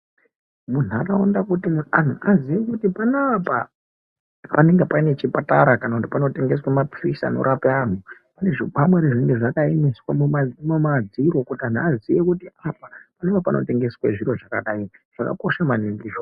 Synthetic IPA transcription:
mun̤uakaondakutiman̤uaziʋekutipanapa | pane̞ŋɡepaine̞t͡ʃipataɾakanakutipano̞te̞ŋɡe̞swamaprisa̰no̰ɾapean̤upane̞ʐikamweɾeʐiŋɡeʐakaimiswamuamomad͡ziɾo̞kutian̤uazijekutiapapanebapanʔo̞̰te̞ŋɡe̞sweʐiɾo̞ʐakaɗaiʐ̥aka̰ko̞ʃamaniŋɡiʐo

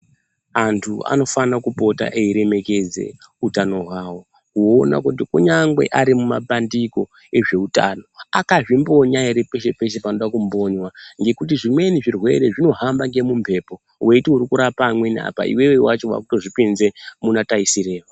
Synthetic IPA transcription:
antʰua̰no̞fanakupo̞ta̰ʔeiɾe̞me̞ke̞d͡ze̞̰ | utano̞ɦwaːwo̞ | kuoːna̰kut̬ikuɲaŋɡwe̞̰ʔaɾimuma̰pandiko̞ | e̞ʐe̞uta̰no̞akaʐimbo̞ɲaeɾepe̞ʃe̞pe̞ʃ̬epanoɗakumbo̞ɲwaŋɡe̞kutiʐimwe̞niʐirwe̞̰ɾe̞ʐino̞ɦambaŋɡe̞mumpʰe̞ːpo̞ | wʔe̞itiuɾikuɾapamwe̞nia̰pa̰ḭwe̞wewat͡ʃo̞wa̰kutoʐipinzemunataisire̞ːwa

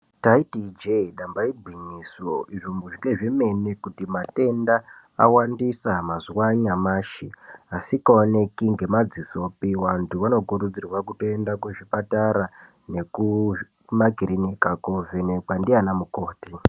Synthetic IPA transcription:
taitid͡ʒeiɗambaibʱwiɲisoiʐomuʐiŋɡe̞ʐeme̞nekutimate̞nda | a̰wandisamazuwaɲamaːʃiasikaone̞kiŋɡe̞mad͡ziso̞piwantʰuʋano̞kuɾud͡zirwakuto̞endakuʐipataɾa | ne̞ku | maɡʱiɾinikakovenekwandianamuko̞ːti

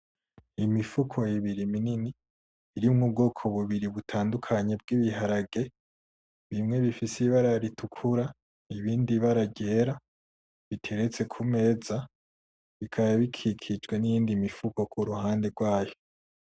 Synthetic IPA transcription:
imifukʰo̞jiβiɾiminini | iɾimŋub̚ɡo̞ːkʰo̞βuβiɾiβutʰaːndukʰaɲe̞b̚ɡiβiɦaɾaɡe̞ | βimŋe̞βifisiβaɾaɾitukʰuɾa | iβiːndiβaɾaɟe̞ːɾa | βitʰe̞ɾe̞t͡se̞kʰume̞ːza | βikʰaβaβikʰikʰid͡ʒɡwe̞nijiːndimifuko̞kʰuɾuɦaːnde̞ɡwaːjo̞

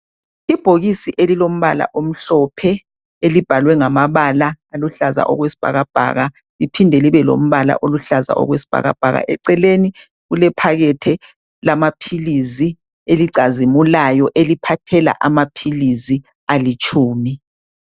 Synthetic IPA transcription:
ib̥ʱoɣisiʔelilom̩βa̰la̰ʔom̩ɬɔpʰɛ | elib̥ʱalwɛŋamaβalaːluɬaza̰ʔɔ̰ɣwesi̥b̥ʱa̰ɣab̥ʱa̰ɣa | lipʰindʱeliβɛlo̰m̩βala̰ʔoluɬaza̰ʔɔ̰ɣwesi̥b̥ʱa̰ɣa̰b̥ʱa̰ɣa̰ʔɛǀɛleni | ɣulɛpʰaɣɛtʰɛ | lamapʰilizi | eliǀazimulajɔʔelipʰatʰɛla̰ʔamapʰilizi | alit͡ʃʼuːmi

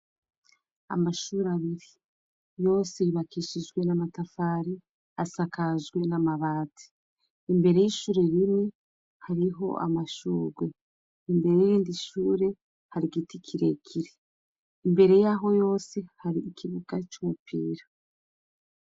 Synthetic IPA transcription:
a̰maʃuɾaβiɾi | jo̞ːseiβakiːʃiʒɡwe̞namatafaːɾi | asakaʒɡwe̞namaβaːtʰi̥ | imbe̞ɾe̞jiʃuːɾe̞ɾimŋe̞ | haɾiɦo̞̰ʔa̰maʃuːɡwe | imbe̞ɾejijiːndiʃuːɾe̞ | haɾiɡitikʰiɾe̞kʰiɾeː | mbe̞ɾe̞jaɦo̞jo̞ːse̞haɾiːkiβukat͡ʃumupʰiːɾa

